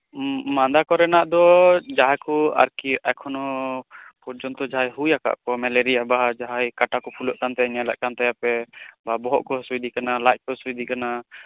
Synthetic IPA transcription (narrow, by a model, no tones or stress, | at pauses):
mand̪akɔɾɛnaʔd̪ɔd͡ʒaɦakɔa̰ɾkiʔakʰɔnɔ | pɔɾd͡ʒɔnt̪ɔd͡ʒaɦajɦujaka̰ʔkɔmɛlɛɾiabaɦad͡ʒaɦajkaʈakɔpʰulɔʔk̪ant̪ɛɲalɛʔkant̪ajapɛbabɔɦɔ̰ʔkɔsuid̪ikanalajt̚kɔsuid̪ikana